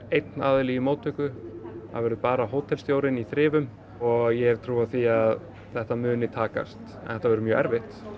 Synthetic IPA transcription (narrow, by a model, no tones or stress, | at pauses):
ejt̪naːðɪlijimoːwt̪ʰʏkʏθa̰vɛɾðʏpaːɾaɦoːwt̪ʰɛlst̪jowɾɪniθɾɪːvʏm | ɔɣjɛɛv̥t̪ʰɾuːaθiað | θɛht̪amʏːnɪt̪ʰaːka̰st̪ | ɛ̰θɛht̪avɛɾʏmjœːʔɛ̰ɾvɪht̪